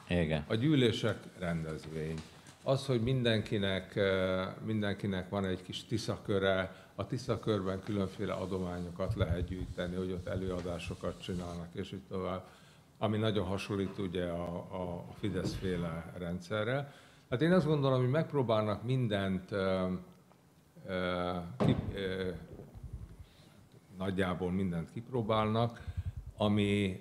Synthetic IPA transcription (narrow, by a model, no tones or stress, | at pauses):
eɡɛ̰ɒɟyːleːʃɛkrɛnd̪ɛzʋeːɲ | ɒsho̞ɟmind̪ɛŋkinɛk | mind̪ɛŋkinɛkʋɒnɛɟkiʃt̪isɒkø̞ɾɛ | ɒt̪isɒkørbɛŋkylø̞ɱfeːlɛ̰ɒ̰d̪o̞maːɲo̞kɒt̪lɛɦɛd̪̚ɟyːjit̪ɛnːiho̞ɟo̞t̪ːɛløːɒd̪aːʃo̞kɒt̪t͡ʃinaːlnɒkeːʃiːct̪o̞vaːb | ɒminɒɟo̞nɦɒʃo̞lːiːt̪uɟɛɒː | fid̪ɛsfeːlɛrɛnt̪sɛrːɛl | t̪aːt̪eːnɒzɡo̞nd̪o̞lomɦoɟmɛk̚proːbaːlnɒkmind̪ɛnt̪ | ki | nɒɟːaːbo̞lmind̪ɛnt̪kiproːbaːlnɒkɒmi